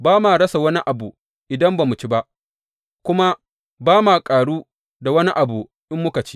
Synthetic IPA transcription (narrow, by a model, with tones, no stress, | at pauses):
baː˦maː˨ɽɐ˦sa˨wɐ˦ni˦ʔa˨buː˨ | ʔɪ˨dɐ˦mbaː˨mʊ˨t͡ʃi˦ba˦ʔ | kʷʊ˦ma˦ | baː˦maː˨kʼaː˨ɽuː˦ | da˨wɐ˦ni˦ʔa˨buː˨ | ʔɪ˦mːʊ˦ka˨t͡ʃi̥ː˦